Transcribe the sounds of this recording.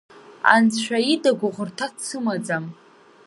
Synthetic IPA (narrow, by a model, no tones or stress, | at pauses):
a̰nt͡sʃʷᶣaidaɡʷʊʁʷʊrtʰatt͡sʰɨmad͡zam